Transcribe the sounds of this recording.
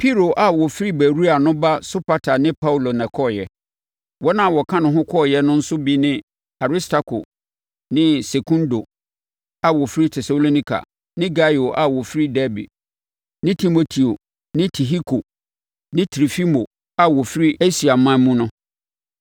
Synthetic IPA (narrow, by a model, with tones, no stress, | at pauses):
pʰi˦ɾo˨ʔa˨wɔ˨fi˦ɾi˦bæ˨ɾu˦a˨nʊ̃˦ba˦so˦pa˦tʰa˨nɪ̃˦pʰa˦wu˦lo˨nɛ̃˨kʰɔ˦˨jɛ̰˨ | wɔ˦nã˦˨wɔ˨kʰã˦nʊ̃˨ɦʊ̃˦kʰɔː˦˨jɛ˦nʊ̃˦n̩˦sʊ˦bi˦nɪ̃˦ | a˨ɾi˦stʰa˦kʰo̰˨ | nɪ̃˦se˨kʰũ˦ndo˨ | a˨wɔ˨fɾi˦tʰɛ˨so˨lo˦nĩ˦kʰa̰˨ | nɪ̃˦ɡa˦jo˨ʔa˨wɔ˨fi˦ɾi˦dɛ˦bi˨ | nɪ̃˦tʰi˨mo˦tʰi˨o˨ | nɪ̃˦tʰi˨ɦi˦kʰo˨ | nɪ̃˦tʰɾi˨fi˦mo˨ | a˨wɔ˨fi˦ɾi˦e˦si˨a˨mã˦mũ˦nʊ̃˦